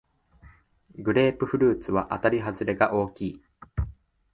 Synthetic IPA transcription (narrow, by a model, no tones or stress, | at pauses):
ɡɯ̟ɾe̞ːpɯ̟ɸɯ̟ɾɯ̟ːt͡sɨβaʔat̪aɾʲiɦazɨɾe̞ɡaʔo̞ːkʲiː